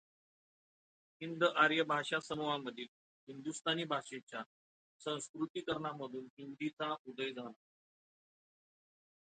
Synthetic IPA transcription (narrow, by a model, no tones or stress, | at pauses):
ɦind̪ʔaɾjəbʱaɕasəmuʋaməd̪ʱiːl | ɦind̪ust̪aniːbʱaʂet͡ɕja | sə̃w̃skɾut̪iːkəɾɳaməd̪ʱuːnɦind̪it͡saud̪əjd͡zʱana